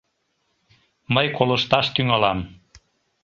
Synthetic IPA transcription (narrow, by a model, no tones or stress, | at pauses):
məjkoləʃt̪ɑʃt̪yŋɑlɑm